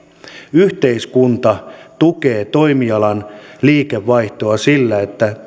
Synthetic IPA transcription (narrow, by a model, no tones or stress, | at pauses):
yht̪e̞iskunt̪ɑt̪uke̞ːt̪o̞jmiɑlɑnliːke̞ʋːɑjht̪o̞ɑsilːæe̞t̪ːæ